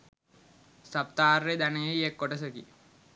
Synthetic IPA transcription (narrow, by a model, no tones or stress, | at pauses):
sap̚t̪aːred̪aneeekːoʈəs̬əkḭ